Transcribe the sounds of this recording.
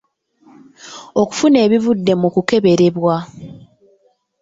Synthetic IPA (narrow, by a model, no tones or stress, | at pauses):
oku̥fune̞ːβivudːe̞mukuke̞βe̞ɾe̞βwa